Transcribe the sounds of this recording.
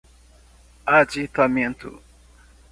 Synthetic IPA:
ad͡ʒit̪amẽnt̪ʊ̰

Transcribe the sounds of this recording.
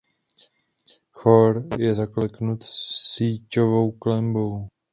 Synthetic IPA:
xoɾjɛzaklɛknut̪siːcovo̞wklɛmbow

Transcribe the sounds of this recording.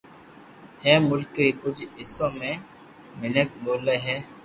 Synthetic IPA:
hɛmʊlkɾikʊt͡ʃʰɪsomẽ | mɪnək̚boːleɦɛː

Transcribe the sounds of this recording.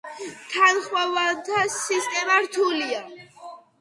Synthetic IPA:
t̪ʰanχwavant̪ʰasist̪ʼɛmaɾt̪ʰulia

